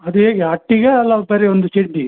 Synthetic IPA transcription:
ɐd̪ueːɡeɐʈːiɣɐːlːɐpɐɾiond̪ut͡ʃiɖːi

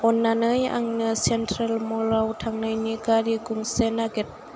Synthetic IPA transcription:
ɔnːanɯja̰ŋnɯsentʰɾelmɔɾawtʰaŋnajniɡaɾiɡuŋsenaɡet̚

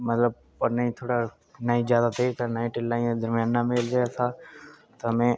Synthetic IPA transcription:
mət̪ləb̚ | pɐɾnaĩt̪ʰoːɽa | naĩzjaːd̪at̪ʰet̪ʰanaːĩʈɪɖlaːĩd̪əɾmjãːnːameːlɡɐjat̪ʰaːt̪oɦmẽ

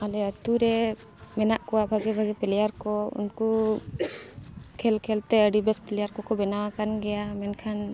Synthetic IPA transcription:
alɛət̪uɾɛ | mɛnaʔkɔwabʱaɡɛbʱaɡɛpɛlɛjaɾkɔṵnku | kʰɛlkʰɛlt̪ɛəɖibɛspɛlɛjaɾkɔkɔbɛnawakanɡɛjamɛnkʰan

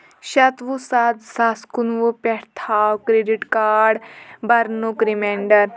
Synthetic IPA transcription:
ɕɐt̪ʋusaːt̪saːskunʋəpɛɾt̪ʰaːwkɾeɖiʈkaːɖbɐɾnokɾimeɳɖɐɾ

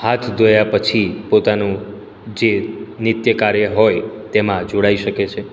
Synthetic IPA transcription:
hat̪ʰd̪ojapət͡ʃʰipot̪anũ | d͡ʒenɪt̪jəkaɾjəɦojt̪emãd͡ʒoɽaiʃəket͡ʃʰe

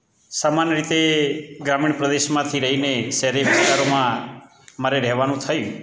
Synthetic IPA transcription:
samanjəɾit̪eɡɾamiɳ̃pɾəd̪eʃmãt̪ʰiɾəɦineʃɛɦɾeʋɪst̪aɾomã | maɾeɾɛɦʋanũt̪ʰəjũ

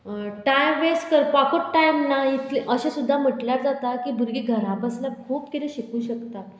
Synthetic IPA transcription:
ʈajmʋeskəɾpakʰoʈʈːajmnait̪liʔəɕẽsud̪ʱːam̤əʈljaɾd͡zat̪akiːbʱuɾɡiːɡʱəɾãbəslakʰuːp̚kit̪ʰeɕikũːɕəkt̪at̪

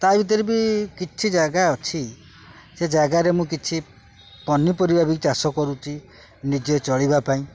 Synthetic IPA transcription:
t̪abit̪̬ɔɾibikit͡ʃʰid͡ʒaɡaɔt͡ʃʰi | sed͡ʒaɡaɾemũkit͡ʃʰi | pɔnipɔɾibabit͡ʃasɔkɔɾut͡ʃʰi | nid͡ʒet͡ʃɔɭibapaĩ

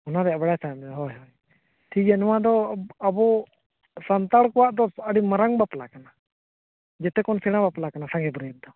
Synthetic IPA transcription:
ɔnaɾɛjabaɽajt̪ʰamɦɔjɦɔj | t̪ʰiɛnɔwad̪ɔabɔ | sant̪aɽkɔwaʔd̪ɔəɽimaɾaŋbaplakana | d͡ʒɛt̪ɛkɔnsɛɽ̃abaplakanasaɡɛbɾiɛt̪̚d̪ɔ

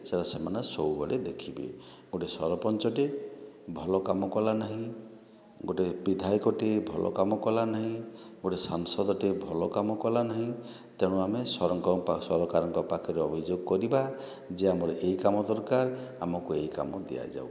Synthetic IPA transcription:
saɾasemanɔsɔwbɔɽed̪ekʰibḛɡoʈesɔɾɔpɔnt͡ʃɔʈe | bʱɔlɔkamɔkɔlanaɦĩ | ɡoʈebid̪ʱajkɔʈebʱɔlʔɔ̰kamɔkɔlanaɦĩɡoʈesaŋsɔd̪ɔʈebʱɔlɔkamɔkɔlanaɦĩ | t̪eɽ̃uamesɔɾɔŋkɔasɔɾɔkaɾɔŋkɔpakʰɔɾeɔbʱid͡ʒoɡ̚kɔɾiba | d͡ʒeamɔɾʔejkamɔd̪ɔɾkaɾa̰mɔkuejka̰mɔd̪ḭja̰d͡ʒa̰w

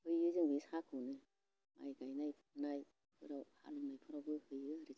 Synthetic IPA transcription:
hɯjɯzɯŋɡisakʰɯnɯ | mʔa̰jɡajnajpʰnaj | hʰɯ̰ɾawha̰lunajpʰɯɾawɡɯhɯjɯaɾi

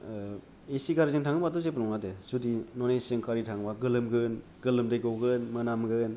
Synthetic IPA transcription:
esiɡaɾizɯŋtʰaŋɯbatɔs̬epɯnɔŋnadesudinɔnesɯŋkʰaɾitʰaŋbaɡɯlɯmɡɯn | ɡɯlɯmdejɡɔwɡɯnmɯnamɡɯn

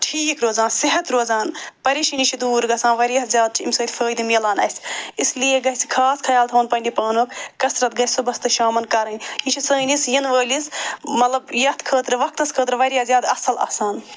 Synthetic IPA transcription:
ʈʰiːkɾoːzaːnsiɦɐt̪ɾoːzaːnpɐɾiʃinit͡ʃʰid̪uːɾɡɐsaːnʋɐɾʲjaːszʲjaːd̪̚t͡ʃʰiimʲsəːt̪ʰʲfʰəːjd̪imilaːnɐsislijeɡɐɦʲsi̥kʰaːskʰɐjaːlt̪ʰɐɐːnpɐnʲdipaːnoːkkɐsɾɐt̪ɡɐsubɐst̪ɨʃaːmɐnkɐɾɐnʲit͡ʃʰisəːnisjɐnʋəːlʲismɐt̪lɐbjɐt̪ʰkʰəːt̪ɾɨʋɐk̚t̪ɐskʰəːt̪ɾɨʋɐɾʲjaːzʲjaːd̪ɐsɐlɐ̰saːn

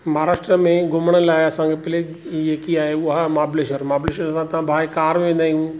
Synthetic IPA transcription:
mɐɦaɾaːʃʈɾəmẽɡʊməɽ̃əlaːɪɐsãːŋɡepɪleːd͡ʑ | eːkiaːɦeʊɦamaːbɪleːʃəɾmaːbleːʃəɾsãt̪ɐʋãbʱaːekaːɾʋẽːnd̪aːijũ

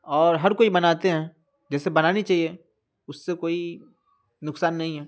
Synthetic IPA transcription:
ɔːɾɦɐɾkoːibɐnaːt̪eɦɛ̃ː | d͡ʒɛːsebɐnaːnit͡ʃaːɦie | ʊsːekoːi | nʊksaːnːɐɦĩɦɛː

